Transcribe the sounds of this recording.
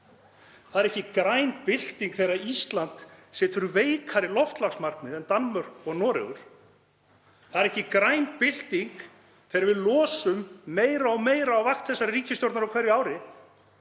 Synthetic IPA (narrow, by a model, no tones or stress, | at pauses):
θaðɛɾɛhcːɪkɾaːjnpɪl̥t̪iŋkθejɾaist̪lant̪sɛːt̪ʏɾveːjkʰaɾɪlɔft̪laksmaɾ̥knɪðɛnt̪anmʏɾ̥ɔɣnɔːɾɪ̰ɣʏɾ̥ | θaðɛɾɛhcːɪkɾaːjnpɪl̥t̪iŋk | θɛːɾɪvɪðlɔːsʏmːeːjɾaɔmeːjɾaːwvaxt̪θɛsːaɾriːcɪst̪owɾt̪naɾawkʰɛɾjʏaːwɾɪ